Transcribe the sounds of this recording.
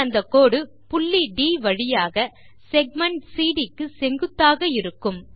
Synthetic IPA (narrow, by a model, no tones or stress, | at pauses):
ɐnd̪ɐkːoːɽɯ | pʊɭːiɖiːʋɐɻɪjaːɣɐ | sɛɡ̚mɐɳʈsiːɽɪkːɯsɛŋɡɯt̪ːaːɣɐɪɾɯkːɯm